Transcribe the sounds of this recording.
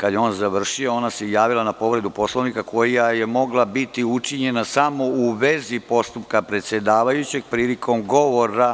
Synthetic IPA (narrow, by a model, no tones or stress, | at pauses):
kad̪jeoːnzaʋr̩ʃioonasejaːʋilanapo̞ʋɾe̞d̪upo̞sloʋnikakʰo̞jjajemo̞ɡlˠabit̪iut͡ʂiɲe̞nasamo̞uʋe̞zipo̞st̪upkapɾe̞t̪sje̞d̪aːʋajut͡ɕe̞ɡ̚pɾiːlikʰo̞mɡo̞ʋo̞ɾa